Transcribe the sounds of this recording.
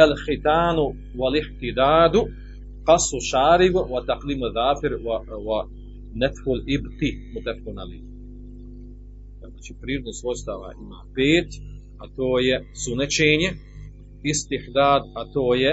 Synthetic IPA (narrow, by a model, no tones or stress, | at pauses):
alxit̪aːnu | walɪħt̪id̪aːd̪u | qɑsuʃaːɾibwat̪aqliːmaðaːfiɾwa | nɛfhulibt̪imut̪ɛfkonali | naːt͡ʃipɾiːɾod̪nosost̪aʋa̰ʔima̰ːpeːt̪ | at̪oːjɛsunɛt͡ʃeːɲe | ist̪iħd̪aːd̪at̪oːjɛ